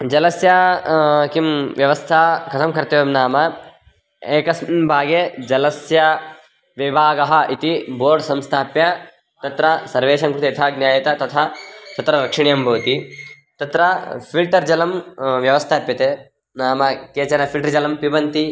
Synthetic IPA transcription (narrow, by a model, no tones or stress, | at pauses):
d͡ʒɐlɐsjɐ | kimʋjɐʋɐst̪ʰaːkɐt̪ʰɐmkɐɾt̪ɐʋɐmnaːmɐ | eːkɐsbʱaːɡed͡ʒɐlɐsjɐ | ʋibaːɡɐɦɐ̆ʔit̪iboːɾɖsɐmst̪ʰaːpjɐ | t̪ɐt̪ɾɐsɐɾʋeːʃɐmkɾut̪iɐt̪ʰaːɡnjaːjɐt̪ɐt̪ɐt̪ʰat̪ɐt̪ɾɐɾɐkʂiɳijɐmbʱɐːt̪i | t̪ɐt̪ɾɐpʰilʈɐɾd͡ʒɐlɐmʋjɐʋɐst̪ʰaːpjɐt̪eː | naːmɐkeːt͡ʃɐɾɐpʰilʈɐɾd͡ʒɐlɐmpiʋɐnt̪i